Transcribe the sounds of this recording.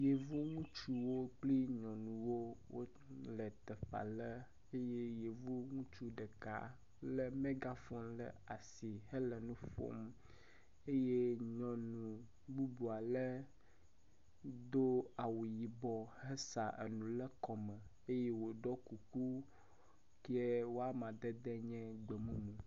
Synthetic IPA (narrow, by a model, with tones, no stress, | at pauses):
je˨vo˦ŋũ˦t͡ʃu˦wo˦k͡pli˦ɲɔ̃˨nũ˨wo˦wʔo˦ | lə˨t̪ɛ˨ɸa̰˨lə˦ | e˦je˦je˨vo˦ŋũ˦t͡ʃu˦ɖə˨ka̰˨ | lə˦mẽ˦ɡa˦fɔ˦mlə̰˨a˨si˨hə˦lə˨nũ˦fo̰˦m | e˦je˦ɲɔ̃˨nũ˨ | ɡ͡bu˦bu˨a˨lə˦ | d̪o˦a˨wu˨ji˨bɔ˨hɛ˦sa˨ʔḛ˨nũ˨lə˦kɔ˨mɛ˨ | e˦je˦wo˨ɖɔ˦ku˨ku˦ | ke˦wo˦a˦mã˨d̪ɛ˦d̪ɛ˦ɲɛ̃˦ɡ͡bɛ˨mũ˦mũ˨